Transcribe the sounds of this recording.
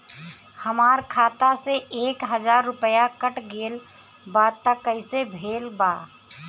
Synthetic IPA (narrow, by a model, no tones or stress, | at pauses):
həmaːɾkʰaːt̪aseeːkɦəd͡ʒaːɾːʊpəjakəʈɡeːl | bat̪əkːəɪsebʱeːlba